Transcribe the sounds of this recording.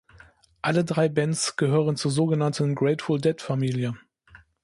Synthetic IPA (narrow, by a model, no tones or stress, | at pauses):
ʔalədʁaɪbɛnt͡sɡ̥əɦøːʁənt͡suːɐzoːɡənantn̩ɡʁɛɪtfʊldɛtfamiːljə